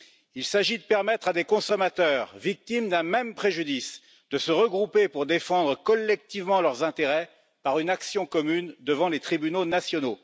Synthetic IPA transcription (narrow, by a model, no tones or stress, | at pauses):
ilsaʒid̪əpɛʁmɛt̪χad̪ekɔ̃sɔmat̪œːʁvik̚t̪imd̪ɛ̃mɛmpχeʒyd̪is | d̪̥əsəʁəɡʁupepuʁd̪efɑ̃d̪ʁəkɔlːɛk̚t̪ivmɑ̃lœʁzɛ̃t̪eʁɛ | paʁynaksjɔ̃kɔmynd̪əvɑ̃let̪χibynonasjɔno